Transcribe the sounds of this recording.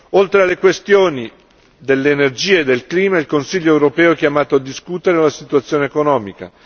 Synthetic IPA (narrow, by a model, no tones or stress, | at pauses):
olt̪ɾealːekwest̪joːni | d̪elːeːnerd͡ʒiːeːd̪ːelkliːmailkonsiʎːoɛwɾopɛːoɛkjamaːt̪oad̪ːiskut̪eɾelasit̪uat̪sːjoːneekonɔːmika̰